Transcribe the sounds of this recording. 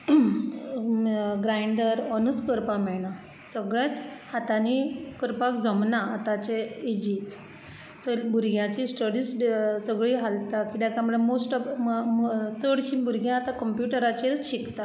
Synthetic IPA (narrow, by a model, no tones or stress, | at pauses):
ɡɾaiɳɖəɾɔnut͡skəɾpamɛɭɳa | səɡɭjãt͡shat̪anikəɾpakd͡zəmnaːt̪at͡ɕeid͡ʑik | t͡səlbʱuɾɡjãt͡ɕisʈəɽiːssəɡɭiːɦalt̪akid̪akãməɽemosʈ | t̪əɽɕĩbʱuɾɡjãat̪akəmpjuʈəɾat͡ɕeɾɕikt̪a